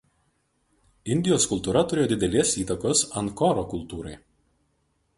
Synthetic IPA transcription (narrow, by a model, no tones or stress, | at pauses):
ɪnʲd̪ʲɪjoːskʊlˠt̪uːɾɐt̪ʊɾʲeːjod̪ʲɪd̪ʲɛlʲeːsiːt̪ɐkoːsɐnkɔːɾoːkʊlˠt̪uːɾɐɪ